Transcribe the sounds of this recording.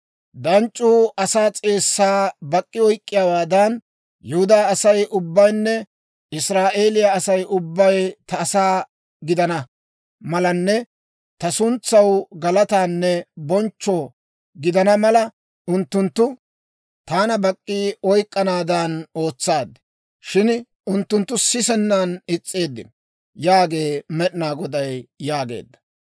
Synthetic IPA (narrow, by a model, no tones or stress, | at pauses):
d̪ɐnt͡ʃʼːuːɐsaːt͡sʼeːsːaːbɐkʼːɪɔjkʼːɪjawaːd̪ɐn | jʊhʊd̪aːɐsɐjʊbːɐjnːɛ | ɪsɾaːʔe̞ːlɪjɐɐsɐjʔʊbːɐjt̪ɐːsaː | ɡɪd̪ɐnɐ | mɐlɐnːɛ | t̪ɐsʊnt͡sːɐwɡɐlɐt̪aːnːɛbɔnt͡ʃːɔ | ɡɪd̪ɐnɐmɐlɐ | ʔʊnt̪ːʊnt̪ːʊ | t̪aːnɐbɐkʼːiːɔjkʼːɐnaːd̪ano̞ːt͡sːaːd̪ːɛ̥ | ʃɪn | ʊnt̪ːʊnt̪ːʊsɪsɛnːanɪt͡sʼːe̞ːd̪ːɪ̰nɔ | jaːɡe̞ːmɛɗɪnaːɡɔd̪ɐjjaːɡe̞̰ːd̪ːɐ̥